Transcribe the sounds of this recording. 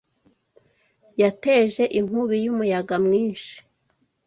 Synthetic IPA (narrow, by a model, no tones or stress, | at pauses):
jate̞ʒe̞ʔim̥uβijumujaɡamŋiːnʃi̥